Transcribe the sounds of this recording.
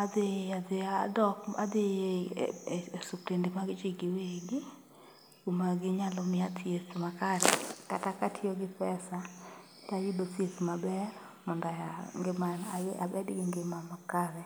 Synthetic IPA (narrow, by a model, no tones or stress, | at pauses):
adeazɪadɔka̰d̪ɪe | supɾendimaɡɪt͡ʃɪɡɪweɡɪ | umaɡɪɲalɔmɪatjesmakaɾɛ̰katakatʰɪoɡɪpɛsa | tajidotjesmabɛɾ | mɔndajaŋɡmaaa̰bɛdɡɪŋɡɪmamakaɾɛ